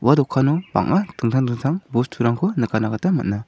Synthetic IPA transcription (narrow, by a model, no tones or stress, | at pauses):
wadɔkʰːanɔba̰ŋʔatʰɯŋtʰaŋdɯŋtʰaŋbɔstʰuɾaŋkʰɔnɯkanakʰatama̰t̚na